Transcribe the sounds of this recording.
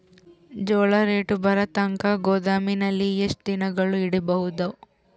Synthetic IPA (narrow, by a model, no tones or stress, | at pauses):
d͡ʒɔːɭɐɾeːʈubʱɐɾɐt̪ɐŋkɐɡoːd̪aːminɐlːiesʈd̪inɐɡɐɭuiɽibɐɦud̪ɐ